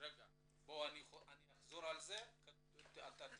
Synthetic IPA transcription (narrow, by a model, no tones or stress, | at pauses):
ɾeɡa | boanianiaχzoɾalzek | at̪at